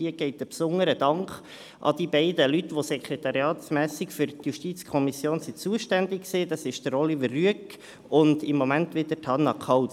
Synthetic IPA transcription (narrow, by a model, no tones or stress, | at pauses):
iəɡ̥ɛɪt̚əpsʊŋːəɾəd̥ɑŋχ | ʔɑ̰d̥̪ibɛɪdəlyt̪ːʋosɛkχɾɛt̪ɑɾjɑːt̪smæːsɪkfʏrt̪juʃtit͡skʰɔmisjoːnsit͡suəʃtændɪkksiːd̥̪ɑsɪʃd̥̪əɾɔlivəryək | ʊndɪmːɔmæntʋɪd̥̪ətʰɑnːɑkʰɑw